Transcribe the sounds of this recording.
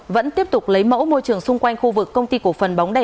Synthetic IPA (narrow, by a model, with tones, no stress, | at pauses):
və̰˧˥nt̪i˦˥əp̚t̪ʊ˨˩k͡p̚lə˨˦jmə̰˧˥wmo˧jt͡ɕɨ˨˩əŋsʊ˧ŋ͡mkwa˧jŋ̟xu˧vɨ˨˩kːə˧wŋ͡mt̪i˧ku˧˩əfə˨˩nɓɑ˨˦wŋ͡mɗə˧˩